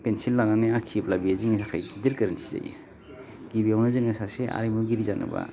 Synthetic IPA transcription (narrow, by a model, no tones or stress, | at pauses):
pensilːananeakʰiplabiaziŋisakʰajɡidiɾkɯɾɯnsi̥za̰j̰ | ɡibijawnazɯŋesaseʔa̰ɾimuɡiɾizanɯ̰ba̰